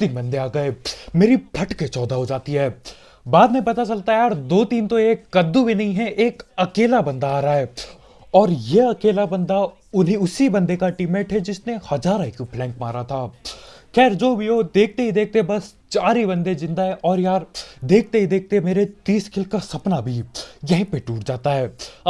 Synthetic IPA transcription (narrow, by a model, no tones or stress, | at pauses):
t̪iːnbɐ̃nd̪eaːɡɐeːmeːɾibʱɐʈket͡ʃɔːd̪aɦod͡ʒaːt̪iɦɛː | baːd̪mẽpɐt̪at͡ʃɐlt̪aɦɛjaːɾd̪oːt̪iːnt̪oeːkːɐd̪ːubʱinɐɦĩɦɛʔeːkɐkeːlabɐ̃nd̪aaːɾaɦɛː | ɔːɾjeɐkeːlabɐ̃nd̪a | ʊnɦiʊsibɐ̃nd̪ekaʈɪmeːʈɦɛd͡ʒɪsnehɐzaːɾãɪkipʰlɛ̃ːŋkmaːɾat̪ʰaːxɛːɾd͡ʒoːbʱioːd̪eːk̚ʰt̪eɦid̪eːk̚t̪ebɐs | t͡ʃaːɾibɐ̃nd̪ezɪ̃nd̪aɦɛ̃ʔɔːɾjaːɾd̪eːk̚ʰt̪eɦid̪eːk̚t̪emeːɾet̪iːskʰɪlkasɐpnabʱijɐɦĩpeʈuːʈd͡ʒaːt̪aɦɛː